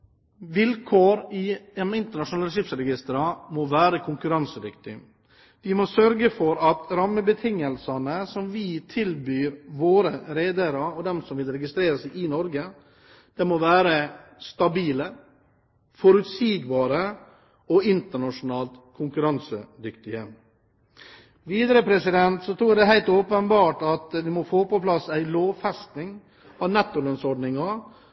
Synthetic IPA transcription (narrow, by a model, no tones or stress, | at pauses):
ʋɪlkʰoːɾɪɛmɪnt̪əɳɑʂʊnɑlɾʂɪpsɾɛɡɪst̪əɾɑmoʋæːɾəkʰʊŋkʉɾɑnsəd̪ʏkt̪ɪ | ʋɪmosœɾɡəfɔɾɑt̪ɾɑmːəbət̪ʰɪŋːəlsɑnəsɔmʋit̪ʰɪlbyːɾʋoːɾəɾeːd̪əɾɑɔd̪ɛmsɔmʋɪlɾɛɡɪst̪ɾeːɾəsɛɪʔɪnɔɾɡə | d̪̥ɛmɔʋæːɾəst̪ɑbiːlə | fɔɾʉt̪siːɡbɑːɾə | ɔɪnt̪əɳɑʂʊnɑːlt̪kʰʊŋkʉɾɑnsəd̪ʏkt̪ɪə | ʋiːd̪əɾəpʰɾɛsɪd̪ɛnt̪sɔt̪ʰɾuːɖ̪ɛɦæɪlt̪oːpənbɑːʈɑt̪ʋɪmɔfoːpɔpʰlɑsæɪloːʋfɛst̪nɪŋ | ɑʋnɛt̪ːʊlœnsɔɖnɪŋɑ